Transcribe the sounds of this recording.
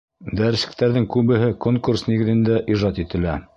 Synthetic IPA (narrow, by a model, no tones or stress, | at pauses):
d̪æɾɘ̆sɘ̥̆k̚t̪æɾðɘŋkʉβɘ̆ɦɘkoŋkursniɡɘ̆ðɘ̆nd̪æʔiʒɑt̪it̪ɘ̆læ